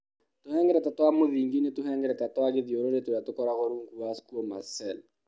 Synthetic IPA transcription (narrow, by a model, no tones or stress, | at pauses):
tohɛːŋɡɛɾɛtatwamoðiːŋɡinetuɦɛːŋɡɛɾɛtatwaɣeðijoɾoɾetojatokɔɾaɣoɾuːŋkuaskuoma̰sɛl